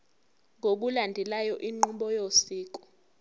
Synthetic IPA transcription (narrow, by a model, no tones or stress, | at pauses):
ŋʱok̬ulandʱɛlajɔʔiŋ͡ǃuɓɔjosiːk̬ɔ̥